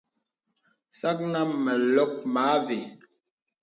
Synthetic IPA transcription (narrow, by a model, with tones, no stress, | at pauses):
sa˦k̚na˦mɛ˨lɔ˦k̚maː˨˦ve˨